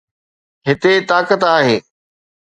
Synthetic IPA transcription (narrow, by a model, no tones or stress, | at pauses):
ɦɪt̪et̪aːkət̪aːɦeː